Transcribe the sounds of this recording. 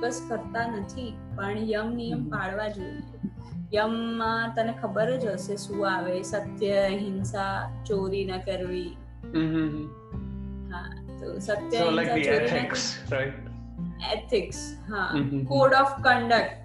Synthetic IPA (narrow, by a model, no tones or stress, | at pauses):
kəskəɾt̪anət̪ʰi | pəɳjəmnijəmkaɭʋad͡ʒoie | jəmːãt̪ənekʰəbəɾd͡ʒəsesũaʋesət̪jəɦɪnsat͡ʃoɾinəkəɾʋi | ɦa̰ | t̪o̰sət̪jəɦɪnsat͡ʃoɾineksɾajʈ | ḛt̪ʰɪks | ɦakoɽɔfkə̃ɳɖək̚ʈ